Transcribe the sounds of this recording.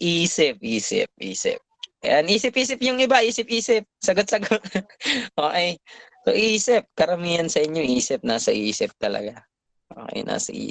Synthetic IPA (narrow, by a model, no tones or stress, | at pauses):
ʔiːsɪp̚ʔiːsɪ̰p̚ʔiːsɪ̰p̚ɐ̰jɐnʔiːsɪp̚ʔiːsɪp̚jʊŋɪbaʔiːsɪp̚ʔiːsɪp̚sɐɡot̪̚sɐɡot̪̚ʔoːʔɛjso̰ʔiːsɪp̚kɐɾɐmiːɐnsɐʔɪɲo̞ʔiːsɪp̚naːsɐʔiːsɪp̚t̪ɐlɐ̰ɡa | ʔo̰ːkɛ̰jna̰ːsɐ̰ʔḭː